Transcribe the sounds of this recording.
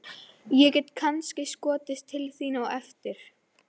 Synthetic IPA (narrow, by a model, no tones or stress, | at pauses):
jɛcɛt̪kʰanscɪskɔːt̪ɪst̪ʰːɪlθiːnawɛft̪ɪɾ̥